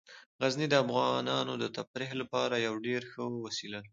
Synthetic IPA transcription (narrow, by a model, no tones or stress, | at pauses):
ɣaznid̪əafɣɑnɑnod̪ət̪apɾihlapɑɾajawɖeɾxəwasila